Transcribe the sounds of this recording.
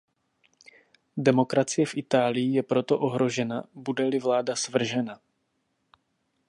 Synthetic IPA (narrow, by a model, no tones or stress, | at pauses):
dɛmo̞kɾat͡sɪjɛfʔɪt̪aːlɪjɪjɛpɾo̞t̪o̞ʔo̞ɦɾo̞ʒɛnabudɛlɪvlaːdasvr̩ʒɛna